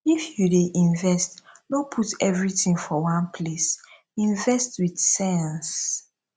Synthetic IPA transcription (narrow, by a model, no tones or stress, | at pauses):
ifjudeʔĩɱvɛstdopʰutɛvɹitĩŋfɔwãnpʰles | ĩɱvɛstwidsɛ̃ns